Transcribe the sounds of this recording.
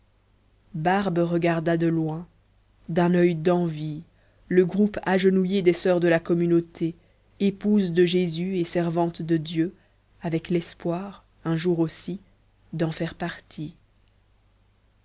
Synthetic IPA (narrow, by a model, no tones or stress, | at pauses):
baʁbʁəɡaʁd̪ad̪əlwɛ̃ | d̪ɛ̃nœjd̪ɑ̃vi | ləɡʁupaʒənujed̪ɛsœʁd̪əlakɔmynot̪ʰe | epuzd̪əʒezyesɛʁvɑ̃t̪d̪əd̪jø | avɛklɛspwaːʁ | ɛ̃ʒuʁosi | d̪ɑ̃fɛʁpaʁt̪ʰi